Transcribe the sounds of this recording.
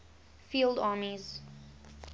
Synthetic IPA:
fiːlˠdɑːmiz̥

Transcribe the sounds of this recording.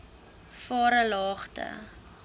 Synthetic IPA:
fɑːɾəlɑːχtʰə̰

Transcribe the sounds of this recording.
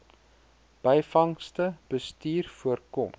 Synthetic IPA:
b̥əjfɐŋstəb̥əstiːrfuərkɔm

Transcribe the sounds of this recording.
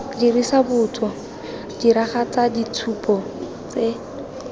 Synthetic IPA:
dirisabʊt͡sʰɔ | diɾaχat͡sadit͡sʰupʼɔ | t͡se

